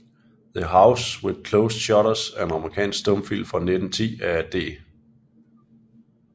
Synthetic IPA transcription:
ðəɦaʊsweðˠkʰloʊsɕɒɾɐsæɐenɑ̈məʁikʰɛ̰ːnsɡ̥sd̥ɔ̽mfil̰mfʁɑ̈ned̥n̩t͡sʰḭːææd̥e̝̰ː

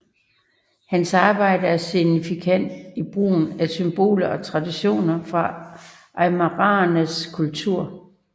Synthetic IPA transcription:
hænsɑ̈ːb̥ɑ̈ɪ̰d̥əæɐsinifikʰæn̰d̥ib̥ʁṵːn̩æsymb̥o̝̰ːlɐɒ̽t͡sʰʁɑ̈d̥iɕo̝̰ːnɐfʁɑ̈ | ʔɑmɑʁɑnəskʰult͡sʰuɐ̰

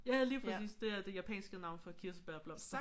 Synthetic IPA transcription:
jɑ̈ɪhæð̩ˠliːpʰʁisḭːsd̥e̝æɐd̥e̝jæpʰɛ̰ːnsɡ̥ənɑ̈ʊ̰nfɒ̽kʰiɐsəb̥æɐ̰b̥lɑ

